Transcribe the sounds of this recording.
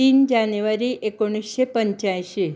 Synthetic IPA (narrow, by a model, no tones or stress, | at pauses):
ind͡ʒanjuʋaɾiʔekoɽ̃isːepəɲt͡ʃajʃi